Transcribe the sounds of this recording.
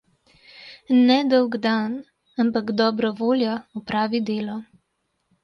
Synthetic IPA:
nɛd̪ɔwɡd̪an | ampaɡd̪ɔːbɾɔʋoːljɔɔpɾaːʋid̪eːlɔ

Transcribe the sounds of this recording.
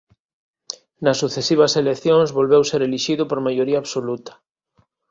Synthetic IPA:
nɐsːuθesiβɐselekθjoŋzβolβewseɾeliʃiðʊpoɾmajoɾiaβsolut̪ɐ̥

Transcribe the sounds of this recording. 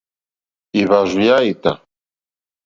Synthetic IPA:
iβaʐujajt̪a

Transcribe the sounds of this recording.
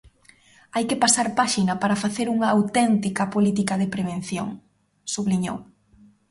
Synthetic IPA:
ajkepasaɾpaʃinɐpaɾɐfaθeɾuŋɐːwt̪ɛnt̪ikɐpolit̪̬ikɐðepɾeβ̞ẽnθjo̰ŋ | suβliɲo̰w

